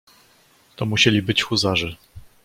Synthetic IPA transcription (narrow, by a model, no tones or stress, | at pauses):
t̪ɔmuɕɛlʲibɘt͡ɕxuzaʐɘ